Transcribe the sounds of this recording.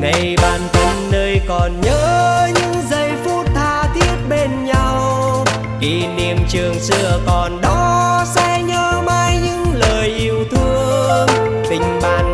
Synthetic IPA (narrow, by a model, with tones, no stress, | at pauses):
ŋa˨˩jɓaː˨˩nt̪ʰə˧nːəː˧jkɔ˨˩nɲəː˧˦ɲɨ̰˧˥ŋzə˧˩jfu˦˥t̚t̪ʰaː˧t̪ʰi˦˥ət̚ɓe˧nɲa˧w | ki˧˩ni˧˩əmt͡ɕɨ˨˩əŋsɨ̰˧˨əkɔ˨˩nɗɔ˨˦sɛ̰˧˥ɲəː˧˦maː˧jɲɨ̰˧˥ŋləː˨˩jʔi˧˩əwt̪ʰɨ˧ə | t̪ï˨˩ŋ̟ɓaː˨˩n